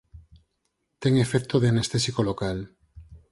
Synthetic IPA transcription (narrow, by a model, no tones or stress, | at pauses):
t̪eŋefekt̪oð̞eanest̪esikolokal